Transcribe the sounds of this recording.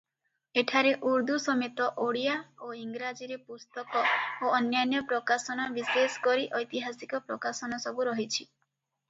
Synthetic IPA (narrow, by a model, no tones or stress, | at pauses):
eʈʰaɾeʔuɾd̪usɔmet̪ɔʔoɽijaoiŋɡɾad͡ʒiɾepust̪ɔkɔoɔnjanjɔpɾɔkasɔñɔbiseskɔɾiʔɔjt̪iɦasikɔpɾɔkasɔnɔsɔbuɾɔɦit͡ʃʰi